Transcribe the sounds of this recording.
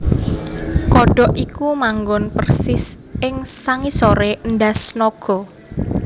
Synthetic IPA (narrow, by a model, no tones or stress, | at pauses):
kɔɖ̥ɔ̤ʔikumaŋɡɔnpərsɪsɪŋsaŋisoɾeʔnɖasnoɡ̥ɔ